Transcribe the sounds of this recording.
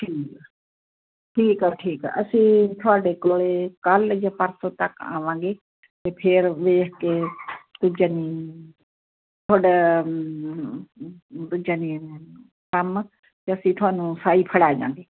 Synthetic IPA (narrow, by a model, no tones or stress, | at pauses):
ʈʰiːk | ʈʰiːkɛʈʰiːkːəsĩːt̪ʰʊaːɖeːkoːlekəld͡ʒəpəɾsõt̪əka̰ːʋãːɡeː | t̪eːpʰeɾʋeːɦkeːt̪ʊd͡ʒaːniː | t̪ʰʊaːɖaː | t̪ʊd͡ʒaːniː | kəm | t̪eəsĩːt̪ʰʊaːnũːsaːiːpʰəɽaːd͡ʒã̰ːŋɡeː